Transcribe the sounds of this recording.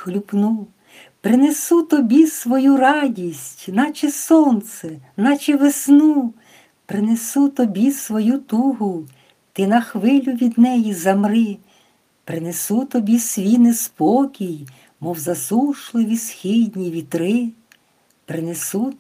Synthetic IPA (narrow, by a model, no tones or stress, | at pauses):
xlʲupnu | pɾɪnesut̪ɔbʲisʋɔjuɾɑdʲisʲtʲnɑt͡ʃɪsɔnt̪sɛnɑt͡ʃɛʋesnu | pɾɪnesut̪ɔbʲisʋɔjut̪uɦʊ | t̪ɪnɐxʋɪlʲʊʋʲid̪nɛjizɐmɾɪ | pɾɪnesut̪ɔbʲisʋʲinɪspɔkʲij | mɔwzɐsuʃlˠɪʋʲisxʲɪdʲnʲiʋʲit̪ɾɪ | pɾɪnesu